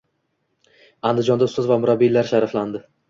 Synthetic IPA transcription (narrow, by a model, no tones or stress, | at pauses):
and̪ɪd͡ʒɒnd̪aʊst̪azvamʊɾabːilaɾʃaɾafland̪ɪ